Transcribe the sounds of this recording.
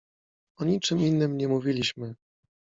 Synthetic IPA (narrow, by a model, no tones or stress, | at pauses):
ɔɲit͡ʂɘminːɘmɲɛmuvʲilʲiɕmɘ